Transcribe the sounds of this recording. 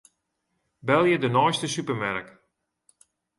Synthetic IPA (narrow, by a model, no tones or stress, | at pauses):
bɛlˠjədənɔjstəsypərmɛrk